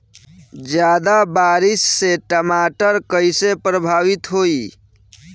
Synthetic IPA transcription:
d͡ʒjaːd̪abaɾɪsːeʈəmaʈəɾkəisepɾəbʱaːʋit̪ɦoːi

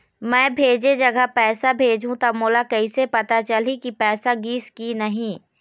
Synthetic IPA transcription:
mɛ̃ːbʱeːd͡ʒed͡ʒɐɡəɦpɛːsabʱeːd͡ʒʱũt̪ɐmoːlakɐisepɐt̪at͡ʃɐlikipɛːsaɡiːskinɐɦĩː

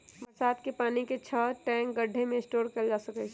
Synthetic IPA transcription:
bəɾsaːt̪kepaːniket͡ʃʰəʈɛ̃ŋkɡəɖʱːemẽɪsʈoːɾkəɾd͡ʒaːsəkɛt͡ʃʰ

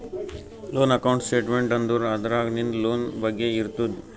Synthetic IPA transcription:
loːnɐkɐwɳʈsʈeːʈmeɳʈɐnd̪uɾɐd̪ɐɾaːɡnind̪loːnbɐɡːeiɾt̪ud̪

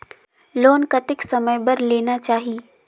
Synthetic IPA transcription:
loːnkɐt̪ɪksɐməjbɐɾleːnat͡ʃaːɦi

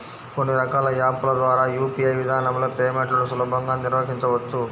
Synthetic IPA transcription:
ko̞nːiɾɐkaːlɐjaːpːulɐd̪ʋaːɾaːjuːpiɐjʋid̪ʱaːnɐmlo̞ːpeːmeɳʈlɐlusɐluːbʱɐŋɡaːniɾʋɐkiɲt͡ʃɐʋɐt͡ʃːu

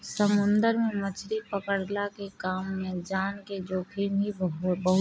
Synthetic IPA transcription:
səmʊ̃nd̪əɾmẽmət͡ʃʰɾipəkəɽlakekaːmːẽd͡ʒaːnked͡ʒoːkʰimbʱibəɦʊ

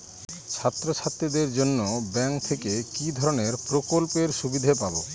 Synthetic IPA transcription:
t͡ɕʰat̪ːɾot͡ɕʰat̪ːɾid̪eɾd͡ʑonːobɛŋkt̪ʰekekid̪ʱɔɾoneɾpɾokolpeɾʃubid̪ʱepabo

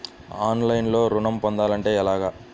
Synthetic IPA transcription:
aːnlɐjnlo̞ːɾuɳɐmpɔnd̪aːlɐɳʈe̞ːɛlaːɡaː

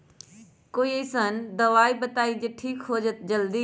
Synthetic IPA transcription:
koːiesənd̪ɐʋaːibɐt̪aːid͡ʑeːʈʰiːkɦoːd͡ʒət̪d͡ʑɐld̪iː

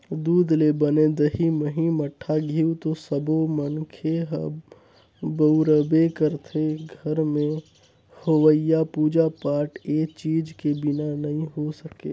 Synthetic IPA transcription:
d̪uːd̪lebəned̪əɦiməɦĩməʈʰːaɡʱiːwt̪osəbomənkʰeɦə̰ | bəʊɾəbekəɾt̪ʰeɡʱəɾmẽ | hoʋəjapuːd͡ʒapaːɾʈeːt͡ʃiːd͡ʒkebɪnanɐɦĩɦosəkḛː

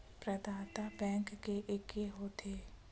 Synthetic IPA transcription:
pɾəd̪aːt̪abɛ̃ːŋkːeʔɪkeɦot̪ʰeː

